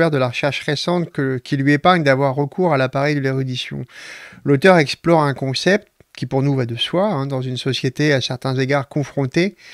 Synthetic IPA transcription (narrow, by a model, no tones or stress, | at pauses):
ɛʁd̪əlaʁəʃɛʁʃʁesɑ̃t̪kəkʲilɥiepaʁɲd̪avwaʁːəkʰuʁalapaʁɛjd̪əleʁyd̪isjɔ̰̃lot̪œʁɛksplɔʁɛ̃kɔ̃sɛp̚t̪ | kʲipuʁnuvad̪əswaɛ̃d̪ɑ̃zynsɔsjet̪easɛʁt̪ɛ̃zeɡaʁkɔ̃fχɔ̃t̪e